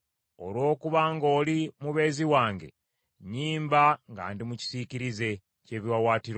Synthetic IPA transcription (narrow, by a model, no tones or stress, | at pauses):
o̰lwo̞ːkuβaŋɡo̞ːlimuβe̞ːziwaːŋɡe̞̰ | ɲiːmbaŋɡa̰ːndimuci̥siciɾize̞ | ce̞ːβiwawaːtiɾo